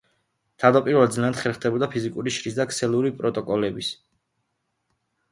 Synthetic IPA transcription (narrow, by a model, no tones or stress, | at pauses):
t̪ʰavd̪apʼiɾvɛlad̪zlɛnad̪χɛlχd̪ɛbɔd̪apʰizikʼuɾiʃɾisd̪akʰsɛlˠuɾipʼɾɔt̪ʼɔkʼɔlɛbis